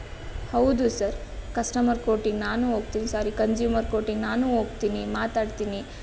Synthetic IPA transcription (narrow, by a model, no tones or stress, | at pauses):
hɐwd̪usɐɾkɐsʈɐmɐɾkoːʈiŋɡnaːnuːɦoːɡt̪iːnisaːɾikɐnd͡ʒjuːmɐɾkoːʈiŋɡnaːnuːɦoːɡt̪iːnimaːt̪aːɖt̪iːni